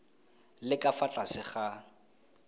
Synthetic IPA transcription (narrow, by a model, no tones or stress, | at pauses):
lɪkʼafat͡ɬʼasɪχa